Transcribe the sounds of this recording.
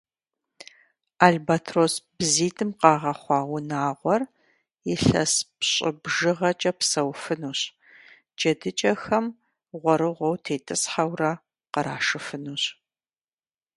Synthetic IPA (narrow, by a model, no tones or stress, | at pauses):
aɮbatʰrosb̥ziːtʰʼɨmqɑːʁɐχʷɑːwʊnaːʁʷɔr | jɪɬɐ̰spɕʼɪbʒɨʁɐt͡ʃʼɐpsɐwfɨnuːɕ | d͡ʒʼɐdɨt͡ʃʼɐxɐm | ʁʷɔɾɨʁʷɔwtʰeːtʼɨsħawrɐ | qəɾaːʂɨfɨnuːɕ